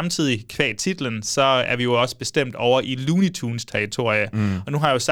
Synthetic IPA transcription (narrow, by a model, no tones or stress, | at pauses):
mt͡sʰið̞̰ˠikʰʋɛ̰ːt͡sʰid̥l̩ənsɒ̽æɐʋijo̝ɒ̽sə̥b̥e̝sd̥em̰d̥ɒʊɐʔiluːnit͡sʰuːnst͡sʰɛɐʁit͡sʰo̝̰ɐ̰jəɒ̽nuɦɑ̈jo̝s